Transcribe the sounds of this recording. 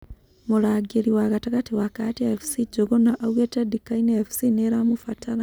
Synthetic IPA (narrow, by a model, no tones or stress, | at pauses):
mulaɡeliwaɣatakatiwakatiefu̥siɟoɡonaʔaɣwetadikaineefu̥sineɾamufataɾa